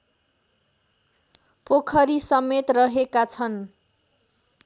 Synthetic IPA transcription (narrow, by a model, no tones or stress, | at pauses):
pokʰʌɾisʌmːet̪rʌɦekat͡sʰʌn